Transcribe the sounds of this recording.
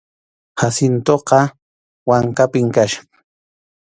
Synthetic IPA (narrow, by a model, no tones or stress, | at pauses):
hasɪnt̪oqɑ | waŋkapɪmkaʃɑ